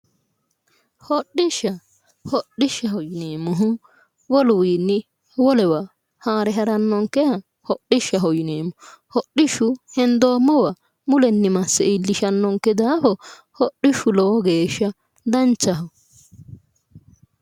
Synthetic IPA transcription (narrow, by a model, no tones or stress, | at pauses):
hɔɗːɪʃːɐ | hɔɗːɪʃːɐhɔjɪneːmːʊɦʊ | wɔlʊwiːnːɪ | wɔlɛwɐ | haːɾɛɦɐɾɐnːɔŋkːɛhɐ | hɔɗːɪʃːɐɦɔjɪneːmːʊhɔɗːɪʃːʊhɛnd̪oːmːɔwɐ | mʊlɛnːɪmɐsːɛɪlːɪʃɐnːɔŋkːɛd̪aːfɔ | hɔɗːɪʃʊlɔwɔɡeːʃːɐ | d̪ɐnt͡ʃːɐɦɔ